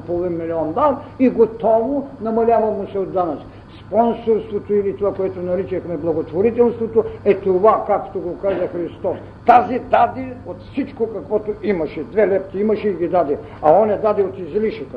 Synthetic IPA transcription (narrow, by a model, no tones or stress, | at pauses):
povinmiliɔnd̪aniɡot̪ɔvonɐmɐlʲavɐmosɛod̪ːanat͡ʃ | spɔnsoɾst̪vot̪oilit̪ovakoɛt̪onɐɾit͡ʃɐxmɛblˠɐɡot̪voɾit̪ɛlˠst̪vot̪oɛt̪ovakakt̪oɡokazɐxɾist̪ɔs | t̪azid̪ad̪ɛot̪fsit͡ʃkokɐkvɔt̪oimɐʃɛd̪vɛlɛp̚t̪iimɐʃɛiɡʲid̪ad̪ɛ | ɐɔnɛd̪ad̪ɛot̪izliʃəkə